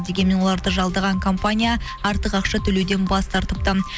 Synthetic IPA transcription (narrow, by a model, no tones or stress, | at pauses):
d̪e̞ɡʲenmːe̞nwo̞lˠɑɾd̪əʒɑlˠd̪əʁɑŋkʰompanʲija | ɑɾt̪əqɑqʃɑt̪ʰɵle̞wd̪e̞nbɑst̪ʰɑɾt̪əp̚t̪ə